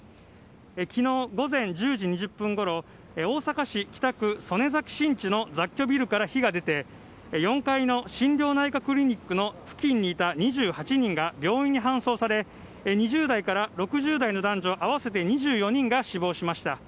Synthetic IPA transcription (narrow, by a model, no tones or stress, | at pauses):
ekʲino̞ːɡo̞zẽ̞ɲd͡ʑɨːʑiɲ̟iʑɨpːɯ̟̃ŋɡo̞ɾo̞ | o̞ːsakaɕikʲi̥t̪akɯ̟so̞ne̞zakʲi̥ɕĩɲ̟t͡ɕino̞d͡zakʲːo̞bʲiɾɯ̟kaɾaçiɡad̪e̞t̪e̞ | jõ̞ŋkaino̞ɕĩndʲjo̞ːnaikakɯ̟ɾʲiɲ̟ikːɯ̟no̞ɸɯ̟̥kʲĩɲ̟ːiːt̪aɲ̟iʑɨːhat͡ɕiɲ̟ĩŋɡabʲjo̞ːĩɲ̟ːiɦãɰ̃so̞ːsaɾe̞ | ɲ̟iʑɨːd̪aikaɾaɾo̞kɯ̟ʑɨːd̪aino̞d̪ãɲ̟d͡ʑo̞ːʔaβ̞ase̞t̪e̞ɲ̟iʑɨːjo̞ɲ̟ĩŋɡaɕibo̞ːɕimaɕi̥t̪a